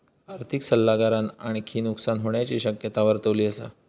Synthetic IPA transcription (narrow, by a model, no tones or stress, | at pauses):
aɾt̪ʰiksəlːaɡaɾanaɽ̃ikʰiːnuksanɦoɳjat͡ɕiɕəkjət̪aʋəɾt̪əʋliːəsa̰